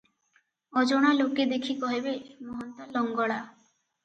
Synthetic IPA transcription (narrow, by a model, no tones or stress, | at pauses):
ɔd͡ʒoɽ̃aloked̪ekʰikɔɦebemɔɦɔnt̪ɔlɔŋɡɔɭa